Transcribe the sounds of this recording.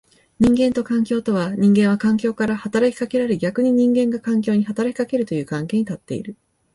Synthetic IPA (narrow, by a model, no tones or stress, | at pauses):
ɲ̟ĩŋɡẽ̞nt̪o̞kãŋkʲo̞ːt̪o̞βaɲ̟ĩŋɡẽ̞ɰ̃βakãŋkʲo̞ːkaɾahat̪aɾakʲi̥kake̞ɾaɾeɡʲakɯ̟ɲ̟iɲ̟ĩŋɡẽ̞ŋɡakãŋk̬ʲo̞ːɲ̟ihat̪aɾakʲi̥kake̞ɾɯ̟t̪o̞jɯ̟ːkãŋke̞ːɲit̪at̪ːe̞ḭɾɯ̟